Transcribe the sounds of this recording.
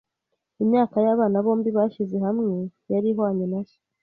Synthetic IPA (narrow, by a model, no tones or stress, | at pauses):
imɲaːkajaβaːnaβo̞ːmbiβaʃize̞hamŋe̞jaɾiɦoaɲenaso̥